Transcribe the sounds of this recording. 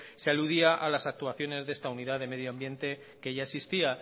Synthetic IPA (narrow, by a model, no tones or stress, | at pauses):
sealuðiaʔalasak̚t̪uaθjo̞ne̞zðe̞st̪auniðaðe̞me̞ð̞joambje̞nt̪e̞ | ke̞ʝaesist̪ia